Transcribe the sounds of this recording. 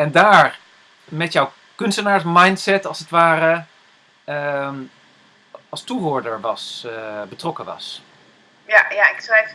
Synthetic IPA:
ɛndaːɹ | mɛtjɔw | kɵnstənaːɹsmajntsɛtɑlˠsətʋaːrə | ɑlˠstuɦoːɹdəɹʋɑsbətrɔkəʋɑ̰s | jajaɪksʋɛjf

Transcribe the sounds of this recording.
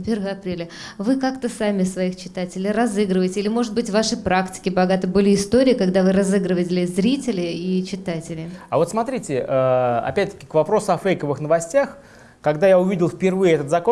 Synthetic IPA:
pʲervəɐpɾʲelʲə | vɨkakt̪əsamʲɪsvɐixt͡ɕɪ̥t̪atʲɪlʲɪrɐzɨɡɾɨvəɪtʲɪilʲɪmo̞ʐɨt̪̚bɨtʲvaʂɨpɾaktʲɪ̥kʲɪbɐɡat̪ɨbɨlʲɪɪst̪oɾʲɪːkaɡd̪avɨɾɐzɨɡɾɨvətʲɪlʲɪzɾʲitʲɪlʲɪit͡ɕɪt̪atʲɪlʲɪavo̞t̪smɐt̪ɾʲitʲɪəɐ̰pʲæt̚ʲt̪ə̥kʲɪ̥kvɐpɾo̞sʊɐfejkəvɨxnəvɐsʲtʲax | kɐɡd̪ajaʊvʲidʲɪlˠfpʲɪrvɨjɪɛt̪ət̪zɐko

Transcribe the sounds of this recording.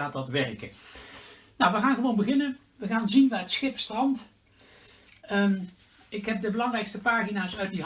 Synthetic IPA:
aːtɑtʋɛrkə | nawʋəɣaːnχəʋownbəɣɪnən | ʋəɣaːnzinʋaːətsχɪpstrɑnt | ɪkɦɛp̚dəbəlɑŋrɛjkstəpaːχinaːsœɥtdi

